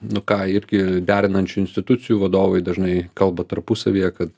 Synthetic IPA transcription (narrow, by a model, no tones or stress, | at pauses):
nʊkɑːɪɾʲɡʲɪd̪ʲæːɾʲɪnɐnʲt͡ʃʲuɪnʲsʲt̪ʲɪt̪ʊtt͡ssʲɪjuːʋɐd̪oːʋɐɪd̪ɐʒnɐɪkɐlˠbɐt̪ɐɾpʊsɐʋʲijɛkɐt̪